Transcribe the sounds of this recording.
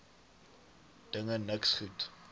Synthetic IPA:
d̥əŋənəksχut

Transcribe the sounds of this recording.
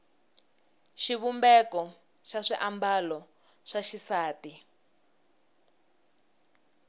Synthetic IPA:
ʃiβumbɛkɔ | ʃaʂiʔambalɔ | ʂaʃisaːti

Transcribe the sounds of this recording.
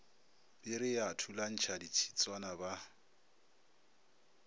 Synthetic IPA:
b̥ɪɾɪjatʰulan̩t͡ʃʰadit͡ʃʰi̥t͡sʼwanaba

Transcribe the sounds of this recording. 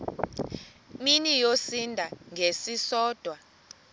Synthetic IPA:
minijosindʱaŋɡʱesisɔːd̥ʱwa

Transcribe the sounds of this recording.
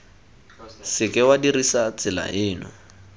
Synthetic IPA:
sɪkʼɪwadirisat͡sɪla̰ʔɪːnʊ̰

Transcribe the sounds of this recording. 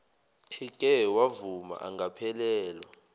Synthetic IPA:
pʰikʼɛwavuma̰ʔaŋɡapʰɛlɛːlwa

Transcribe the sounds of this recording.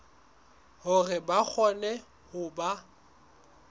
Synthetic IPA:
hʊrɪbak͡xʰɔnɛ | hʊba

